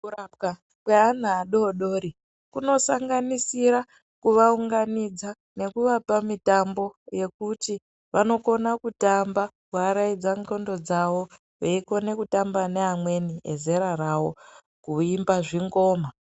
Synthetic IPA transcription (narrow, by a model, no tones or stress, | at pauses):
uaka | kwean̤aːɗoɗo̞ːɾi | kuno̞saŋɡanisiɾa | kuʋauŋɡanid͡za | ne̞kuʋapamitambo̞je̞kuti | ʋano̞ko̞nakutamba | kuaɾaid͡zaŋto̞ndo̞d͡zawo | ʋeiko̞ne̞kutambaneɦamwe̞niḛze̞ɾarawo̰ | kuimbaʐiŋɡo̞ːma